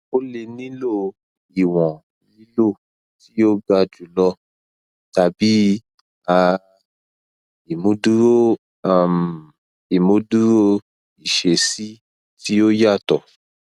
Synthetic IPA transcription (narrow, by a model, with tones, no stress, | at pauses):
o˦le˧nĩ˦lo˦˨ | i˨w̃ɔ̃˨ | nĩ˦lo˦˨ | ti˦o˦ɡa˧d͡ʒu˨˦lɔ˧ | ta˨˧bi˨˦ | a˧ | i˨mũ˨˦du˦ɾo˦ | a˨m˨ | i˨mũ˨˦du˦ɾo˦ | i˨ʃe˨si˦ | ti˦o˦ja˦˨tɔ˨